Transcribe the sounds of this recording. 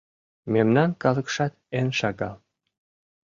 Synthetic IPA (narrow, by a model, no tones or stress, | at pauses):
memnɑnkɑlɤ̆kʃɑt̪enʃɑɣɑ